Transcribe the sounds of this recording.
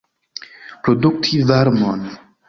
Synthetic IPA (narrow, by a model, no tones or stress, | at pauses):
pɾoduk̚tʰivaɾmon